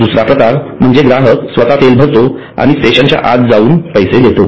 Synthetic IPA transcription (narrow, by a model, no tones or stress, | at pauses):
d̪usɾapɾəkaɾm̤əɳd͡zeɡɾaɦəksʋət̪at̪elbʱəɾt̪o | a̰ɽ̃isʈeɕənt͡ɕja̰ʔa̰t̪d͡zauːnpəjsed̪et̪o